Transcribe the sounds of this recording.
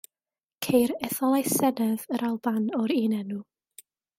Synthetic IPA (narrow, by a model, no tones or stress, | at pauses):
kʰejɾɛθɔlˠajsɛdɛðəɾʔalˠbanɔɾiːnɛnu